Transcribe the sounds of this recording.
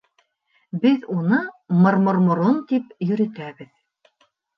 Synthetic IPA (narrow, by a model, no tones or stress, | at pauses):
bɘðunɤmŏɾmŏɾmŏɾont̪ipjɵ̆ɾɘ̆t̪æβɘð